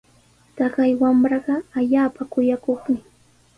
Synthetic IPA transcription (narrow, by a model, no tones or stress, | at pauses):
t̪ɑɢɑjwamɾɑɢɑaʎaːpakʊjakoχmɪ